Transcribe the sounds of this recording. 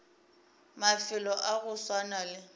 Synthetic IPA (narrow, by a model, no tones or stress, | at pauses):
mafɪlɔʔaɣʊswanalɪ